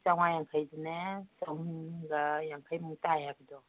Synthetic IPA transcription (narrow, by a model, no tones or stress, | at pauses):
t͡ʃawŋajaŋkʰajdunet͡ʃawɡajaŋkʰajmutajabɯdɔ